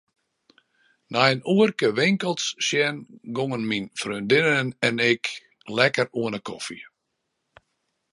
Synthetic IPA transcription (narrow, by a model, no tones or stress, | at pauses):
najənuərkəʋɪŋkəlˠsʃjɛnɡoŋənminfrøndɪnənɛnɪk | lɛkəruənəkʰɔfi